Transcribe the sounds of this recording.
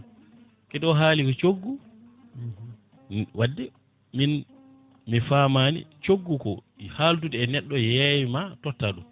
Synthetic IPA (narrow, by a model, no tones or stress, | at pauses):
kɛɗɔɦaːlikɔt͡ʃoɡːu | wadːɛ | min | mifamaːnḭt͡ʃoɡːukɔhaltutɛɛnɛɗːɔjɛjimatɔtːaɗum